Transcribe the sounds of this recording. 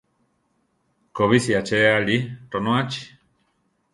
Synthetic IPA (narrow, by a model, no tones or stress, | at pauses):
koβisiat͡ʃealiʈonõat͡ʃi̥